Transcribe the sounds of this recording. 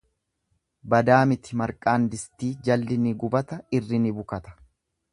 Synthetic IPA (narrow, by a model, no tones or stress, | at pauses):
bɐd̪aːmɪt̪ɪmɐɾkʼaːnd̪ɪst̪iːd͡ʒɐlːɪnɪɡʊbɐt̪ɐɪrːɪnɪbʊkɐt̪ɐ̥